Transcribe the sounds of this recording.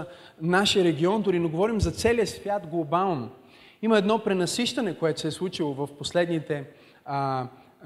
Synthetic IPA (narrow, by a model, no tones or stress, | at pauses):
naʃiəɾɛɡʲiɔnd̪ʊɾinoɡovɔɾimzɐt̪sɛliəsvʲjat̪ɡlˠobalˠno | imɐɛd̪nɔpɾɛnɐsiʃt̪ɐnɛkoɛt̪ʊ̥sɛslˠut͡ʃilˠovɐfposlɛd̪nit̪ɛ